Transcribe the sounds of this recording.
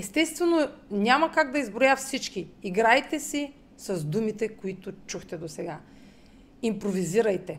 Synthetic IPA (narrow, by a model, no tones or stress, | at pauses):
ɛst̪ɛst̪vɛnonʲamɐkaɡ̚d̪ɐizbɾojafsit͡ʃk̟iːɡɾajt̪ɛsi | sɐzd̪umit̪ɛkoit̪ʊt͡ʃuxt̪ɛd̪osɛɡa | impɾoviziɾɐjt̪ɛ